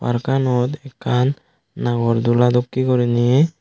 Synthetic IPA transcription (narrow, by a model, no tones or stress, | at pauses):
pa̰ɾkanɔt̪ɛkʰanː | aɡɔɾd̪ulad̪ɔkːikɔɾinijɛ